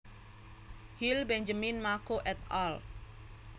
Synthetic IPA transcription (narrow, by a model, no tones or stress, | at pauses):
hilbɛɲd͡ʒaminmakoʔɛt̪ɔl